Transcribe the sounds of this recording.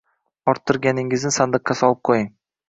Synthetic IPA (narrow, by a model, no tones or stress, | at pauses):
ɒɾt̪ʰːʊɾɡʲanɪŋɪznɪsand̪ɨqʰːɑsɒlˠɨp̚qʰojɪŋ